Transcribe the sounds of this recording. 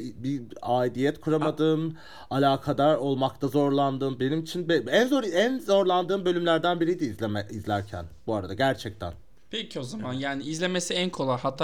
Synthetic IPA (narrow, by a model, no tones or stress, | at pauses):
biaːd̪ijɛt̪kʰuɾamad̪ɯːn | alʲaːkʰad̪aɾo̞lˠmak̚t̪ʰazo̞ɾlˠand̪ɯːnbe̞nimit͡ʃʰinbeænzoɾænzo̞ɾlˠand̪ɯːmbø̞lʲymlʲæɾd̪ænbiɾijd̪iːzlʲɛmɛizlʲæɾcʰæ̰nbuaɾad̪aɟæɾt͡ʃʰɛc̚t̪ʰæ̰n | pʰecʰio̞zamanjaːniizlʲe̞me̞siænkʰo̞lˠajhat̪ʰː